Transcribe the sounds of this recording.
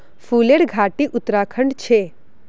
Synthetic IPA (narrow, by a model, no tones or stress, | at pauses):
fuleɽɡʱaʈiʔʊt̪ɾakʰəɳɖt͡ʃʰe